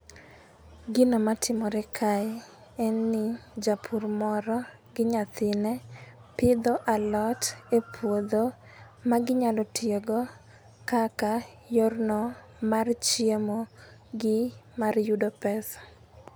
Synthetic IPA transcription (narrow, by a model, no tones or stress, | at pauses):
ɡɪnomatʰɪmɔɾɛkʰa | ɛnːɪd͡ʒapʰurmɔɾɔ | ɡɪɲat̪ɪnɛ | pɪd̪ɔʔalɔtepʰwod̪o | maɡɪɲalɔtjeɡɔ | kaka | jornɔ | mart͡ʃjemoɡɪmarjudɔpɛs